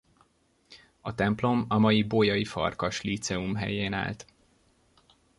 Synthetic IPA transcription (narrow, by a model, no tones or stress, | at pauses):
ɒt̪ɛmplo̞mɒmɒjibojɒjifɒ̰rkɒʃlit̪sɛumɦɛ̰jeːna̰ːlt̪